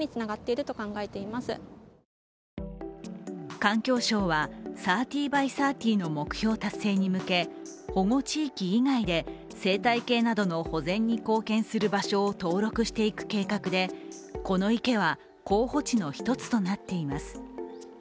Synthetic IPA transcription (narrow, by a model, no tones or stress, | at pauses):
it͡sɨnaɡat̪ːe̞iɾɯ̟t̪o̞kãŋɡae̞t̪e̞imasɨ | kãŋkʲo̞ːɕo̞ːβasaːt̪ʲiːbaisaːt̪ʲiːno̞mo̞kɯ̟̥çʲo̞ːt̪asːe̞ːɲ̟imɯ̟ke̞ho̞ŋo̞t͡ɕiːkʲiːŋaid̪e̞ | se̞ːt̪aike̞ːnad̪o̞no̞ho̞zẽ̞ɲ̟ːiko̞ːkẽ̞ɰ̃sɨɾɯ̟baɕo̞ːt̪o̞ːɾo̞kɯ̟ɕi̥t̪e̞ikɯ̟̥ke̞ːkakɯ̟d̪e̞ | ko̞no̞ike̞β̞a | ko̞ːho̞t͡ɕino̞çi̥t̪o̞t͡sɨ̥t̪o̞nat̪ːe̞imasɨ̥